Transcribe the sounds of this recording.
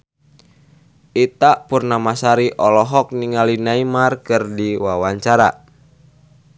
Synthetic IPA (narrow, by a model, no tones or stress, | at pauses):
ʔit̪aʔpurnamasaɾiʔɔlɔɦɔk̚niŋalinaimarkɨrdiwawaɲt͡ʃaɾa̰